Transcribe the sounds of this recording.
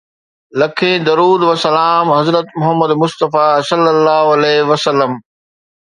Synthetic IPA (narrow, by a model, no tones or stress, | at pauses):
lɐkʰẽːd̪ɐɾuːd̪ʋɐsɐlaːmɦɐzɾət̪mʊɦəmːəd̪mʊst̪əfaːsɐlːəlːaːɦoɐlɛːʋɐsɐlːəm